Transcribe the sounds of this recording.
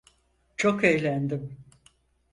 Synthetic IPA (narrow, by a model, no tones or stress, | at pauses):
t͡ʃʰo̞kejlʲænd̪im